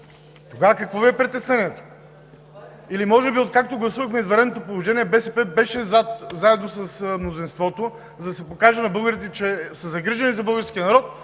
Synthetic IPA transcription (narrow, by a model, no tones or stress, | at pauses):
t̪oɡavɐkɐkvɔbɛɛpɾɛt̪ɛsnɛniɛt̪o̥ | ilimɔʒɛbiot̪̚kak̚t̪oɡlˠɐsuvɐxmɛizvɐɾɛd̪not̪opolˠoʒɛniɛbɛsɛpɛbɛʃɛzat̪zaɛd̪nosɐsmnozinst̪vɔt̪o | zd̪ɐsɛpokaʒɛnɐbɤlˠɡəɾit̪ɛt͡ʃɛsɐzɐɡɾiʒɐnizɐbɤlˠɡəɾskʲiənɐɾɔt̪̚